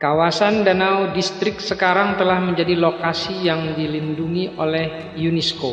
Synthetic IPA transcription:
kawasandanawdist̪ɾɪk̚səkaɾaŋt̪əlahməɲd͡ʒadilokasijaŋdilinduŋiʔolɛh | junɛsko

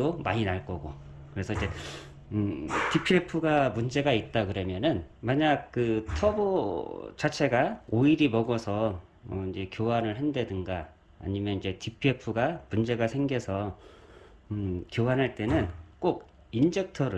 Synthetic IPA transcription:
omaɲinaɭk͈ʌɡo | kɯɾe̞sʰʌid͡ʑe̞ | tipʰiepʰuɡamund͡ʑe̞ɡait̚t͈akɯɾʌmjʌnɯnmaɲaɡ̚k͈ɯtʰʌbot͡ɕat͡ɕʰe̞ɡaoiɾimʌɡʌsʰʌ | ʌid͡ʑe̞kjowanɯɭhɦendwe̞dɯnɡa̰ː | ɲimjʌnind͡ʑe̞tipʰiepʰuɡamund͡ʑe̞ɡasʰe̞ŋɡjʌsʰʌ | kjowanɦaɭt͈e̞nɯnk͈oɡ | ind͡ʑek̚tʰʌɾɯ

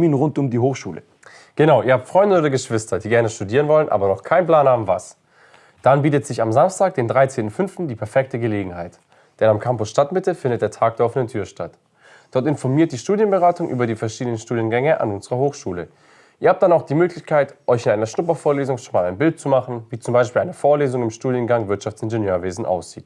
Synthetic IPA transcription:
iːnʁʊntʊmdiːɦoːxʃuːlə̰ | ɡ̥ənaʊʔiːɐhaːp̚tfʁ̥ɔʏndəoːdɐɡəʃv̥ɪstɐdiːɡɛɐnəʃtudiːʁ̞ənvɔlənʔa̰ːbɐnɔχkʰaɪnpl̥aːnhaːbm̩vas | d̥anbiːtətz̥ɪçamzamstʰaːk̚d̥eːndʁaɪt͡seːntn̩fʏnftn̩diːpʰɛɐfɛk̚təɡəleːɡŋ̩haɪt | d̥ɛnamkʰampʊsʃtatmɪtəfɪndət̚d̥eːɐtʰaːk̚d̥ɛɐɔfənəntʰyːɐʃtat | d̥ɔɐtɪnfɔɐmiːɐt̚d̥iːʃtuːdjənbəʁaːtʊŋʔy̰ːbɐɾiːfɛɐʃiːdənənʃtuːdjənɡɛŋəʔa̰nʔʊnzəʁɐhoːxʃuːlə | ʔʔiːɐhaːp̚td̥anaʊxd̥iːmøːklɪçkʰaɪtʔɔʏçɪnaɪnɐʃnʊpɐfoːɐleːzʊŋʃonmaːlaɪnbɪlt̚t͡sumaχn̩viːt͡sʊmbaɪʃpiːlaɪnəfoːɐleːzʊŋɪmʃtuːdjənɡaŋvɪɐtʃaft͡sɪnʒənjøːɐveːzn̩ʔa̰ʊsz̥iːt

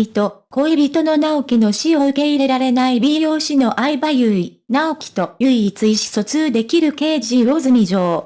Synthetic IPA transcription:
it̪o̞ko̞ibʲit̪o̞no̞naokʲino̞ɕio̞ɯ̟ke̞iɾe̞ɾaɾe̞naibʲiːo̞ːɕino̞ʔaibajɯi | naokʲi̥t̪o̞jɯ̟it͡sɨiɕi̥so̞t͡sɨːd̪e̞kʲiɾɯ̟ke̞ːʑiɾo̞zɨmʲiʑo̞ː

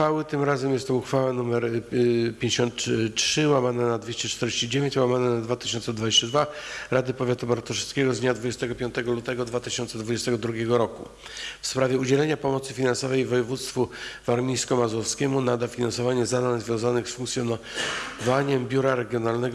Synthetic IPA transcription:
fawɘt̪ɘmɾazɛmjɛst̪ɔuxfawanumɛɾpʲjeɲd͡ʑeɕɔnt̪tʂɘwamanɛnad̪vʲjeɕt͡ɕɛt͡ʂt̪ɛɾd͡ʑeɕt͡ɕid͡ʑevʲeɲt͡ɕwamanɛnad̪vat̪ɘ̥ɕɔnt̪sɛd̪vad͡ʑeɕt͡ɕad̪vaɾad̪ɘpɔvʲjat̪ubaɾt̪ɔʂɛt̪skʲɛɡɔzd̪ɲad̪vud͡ʑɛst̪ɛɡɔpʲjɔ̃nt̪ɛɡɔlut̪ɛɡɔd̪vat̪ɘɕɔnt̪sɛd̪vud͡ʑɛst̪ɛɡɔd̪ɾuɡʲɛɡɔɾɔku | fspɾavʲjɛud͡ʑɛlɛɲapɔmɔt̪sɘfʲinansɔvɛjvɔjɛvut̪st̪fuvaɾmʲijskɔmazɔfskʲɛmunad̪afʲinansɔvaɲɛzad̪anzvʲjɔ̃w̃zanɘxsfuŋkt̪sʲjɔnvaɲɛmbʲjuɾaɾɛɡʲjɔnalnɛɡ

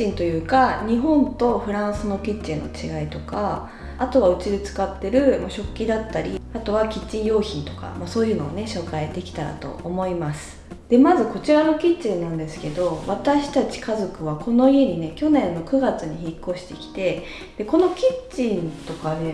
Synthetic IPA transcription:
ĩnt̪o̞jɯ̟ːkaɲ̟iɦõ̞nt̪o̞ɸɯ̟ɾãɰ̃sɨno̞kʲit͡ɕĩnːo̞̰t͡ɕiɡait̪o̞kaː | t̪o̞βaɯ̟t͡ɕid̪ɯt͡sɨ̥kat̪ːe̞ɾɯ̟moɕo̞kʲːid̪at̪ːaɾʲiat̪o̞βakʲit͡ɕːĩɰ̃jo̞ːçĩnt̪o̞ka̰maso̞ːjɯ̟ːno̞ːne̞ɕo̞ːkaed̪e̞kʲi̥t̪aɾa̰t̪o̞̰ːmo̞imasɨ̥ | d̪̥e̞mazɨko̞t͡ɕiɾano̞kʲit͡ɕĩnːãnd̪e̞sɨ̥ke̞d̪o̞βat̪aɕi̥t̪at͡ɕi̥kazo̞kɯ̟β̞ako̞no̞ie̞ɲ̟ine̞kʲo̞nẽ̞nːo̞kɯ̟ɡat͡sɨɲ̟içikːo̞ɕi̥t̪e̞kʲi̥t̪e̞ | d̪̥e̞ko̞no̞kʲit͡ɕĩnt̪o̞kad̪e̞

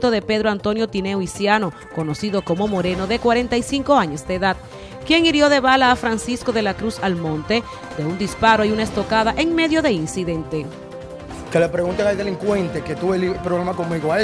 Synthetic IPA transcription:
t̪o̞ðe̞pe̞ðɾoant̪o̞njo̞t̪ine̞oisjano̞ | ko̞no̞siðo̞ko̞mo̞mo̞ɾe̞no̞ðe̞kwaɾe̞nt̪aisiŋko̞aɲo̞sd̪e̞ːðad̪̚ | kje̞ŋiɾjo̞ðe̞βalaːfɾansisko̞ðe̞lakɾusalmõ̞nt̪e̞ | d̪e̞und̪ispaɾo̞iunaest̪okaðaʔe̞ŋme̞ðjo̞ðe̞insiðe̞nt̪e̞ | kelepɾeɣunt̪eŋald̪eliŋkwent̪eket̪uβelipɾoβlemakoŋmiɣoa

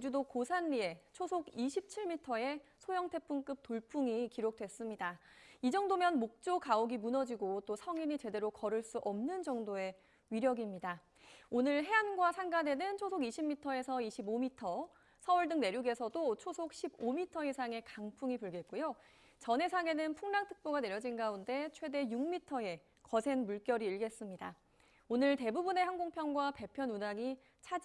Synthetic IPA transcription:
id͡ʑudokosʰanːie̞t͡ɕʰosʰoɡiɕʰip̚t͡ɕʰiɭmitʰʌe̞sʰojʌŋtʰe̞p͈ʰumk͈ɯp̚t͈oɭp͈ʰuŋikiɾok̚t͈we̞s͈ɯmɲidaid͡ʑʌŋdomjʌnmok̚t͡ɕ͈okaoɡimunʌd͡ʑiɡot͈osʰʌŋinit͡ɕe̞de̞ɾokʌɾɯɭs͈uʔʌmnɯnd͡ʑʌŋdoe̞ | ɥiɾjʌɡimɲida | onɯɭɦe̞anɡwasʰaŋɡane̞nɯnt͡ɕʰosʰoɡiɕʰimːitʰʌe̞sʰʌiɕʰibomitʰʌ | sʰʌuɭdɯŋne̞ɾjuɡe̞sʰʌdot͡ɕʰosʰok̚ɕʰibomitʰʌisʰaŋe̞kaŋpʰuŋipuɭɡe̞t̚k͈ujo | t͡ɕʌnɦe̞sʰaŋe̞nɯnpʰuŋnaŋtʰɯ̥k̚p͈oɡane̞ɾjʌd͡ʑinɡaunde̞t͡ɕʰwe̞de̞juŋmitʰʌe̞ | kʌsʰe̞nmuɭk͈jʌɾiːɭɡe̞s͈ɯmɲida | onɯɭte̞bubune̞hanɡoŋpʰjʌnɡwape̞pʰjʌnunaŋi | t͡ɕʰad͡ʑ

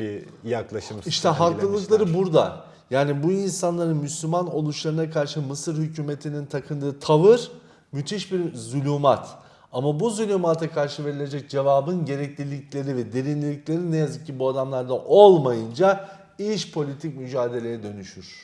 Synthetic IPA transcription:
bi | jaklˠaʃɯmiʃt̪ʰɛɦaklˠɯlˠɯklˠaɾɯbuɾd̪a̰ | jaːnibuinsanlˠaɾɯnmyslʲymano̞lˠuʃlˠaɾɯnakʰaɾʃɯmɯsɯɾhycʰyːme̞t̪ʰinint̪ʰakʰɯnd̪ɯːt̪ʰavɯɾ̥ | myt̪ʰiʃbiɾzulʲumat̪ʰ | amabuzulʲumat̪ʰakʰaɾʃɯve̞ɾilʲe̞d͡ʒɛc̚d͡ʒe̞vaːbɯnɟe̞ɾɛclʲilʲiclʲe̞ɾivɛd̪eɾinlʲilʲiclʲe̞ɾinejazɯcʰːibuad̪amlˠaɾd̪aʔo̞lˠmajɯnd͡ʒa | iʃpʰo̞lʲit̪ʰicmyd͡ʒaːd̪e̞lʲe̞jɛd̪ø̞nyʃyɾ̥

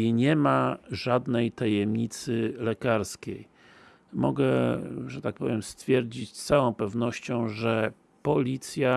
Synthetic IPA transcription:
ɲɛmaʐad̪nɛjt̪ajɛmɲit̪sɘlɛkaɾskʲej | mɔ̰ɡɛʐɛt̪ak̚pɔvʲjɛmst̪fʲjɛɾd͡ʑit͡ɕst̪sawɔ̃w̃pɛvnɔɕt͡ɕɔ̃w̃ʐɛ | pɔlʲit̪sʲja

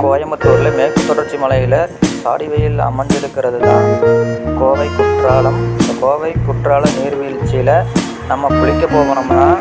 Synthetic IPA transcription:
koːjɐmɐt̪ːoːɾɪlɐmeːkːɯt̪ːɔɽɐɾt͡ʃːimɐlɐjɪlɐsa̰ːɽɪʋɐjɪlɐ̰mɐɲd͡ʒɪɾɯkːɪɾɐðɯt̪aːnkoːʋɐɪkːʊʈraːɭɐmɪnd̪ɐkoːʋɐɪkːʊʈraːɭɐmneːɾʋiɪlt͡ʃːɛːlɐ | nɐmːɐpʊɭɪkʲːɐpoːɣɐɳɯmnaː

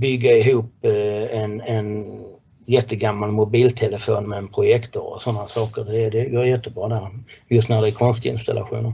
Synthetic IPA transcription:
bʏɡːaɪɦuːpɛnɛn | jɛt̪ːəɡamːalmʊbiːlt̪ʰɛləfoːnmɛːnpʰɾʊjɛkt̪ɔ̰ɔ̰sɔnːasɑːkə̰ɾd̪ɛd̪ɛɡoːɾjɛt̪ːəbɾɑːd̪æɾjɵs̬t̪næd̪ɛækʰɔnst̪ɪ̰nst̪a̰lʔa̰ɧṵːnəɾ

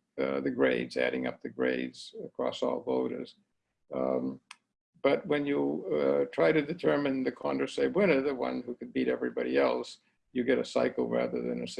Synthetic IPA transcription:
ðɨɡɹeɪdzæ̰ɾɪ̰̃ŋʌ̰p̚ðɨɡɹḛɪdz̥ɨkʰɹ̥ɔ̰sɔ̰lˠvoʊɾə̰˞z̥ | b̥ʌt̚wɨ̃njɨtʰɹ̥aɪɾɨdɨtʰɜ˞mɨ̃nðɨkʰɑ̃ndə˞seɪbwɪ̃ñə˞ðɨwʌ̰̃nhukɨd̚biɾɛvɹibɑɾiɛlˠs | jɨɡɛɾɨsaɪkl̩ˠɹæ̰ðə̰˞ðɨ̰̃nɨs

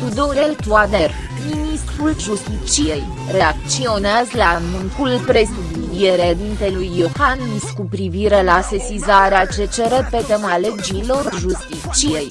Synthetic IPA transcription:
t̪ud̪oɾelt̪uad̪er | minist̪ɾulʒust̪it͡ʃije̞j | re̞ak̚t̪sio̞neazlamuŋkulpɾe̞sud̪id̪ieɾed̪int̪e̞lujːohaniskupɾiviɾe̞lase̞sizaɾeat͡ʃet͡ʃeɾepet̪emale̞d͡ʒilo̞rʒust̪it͡ʃije̞j

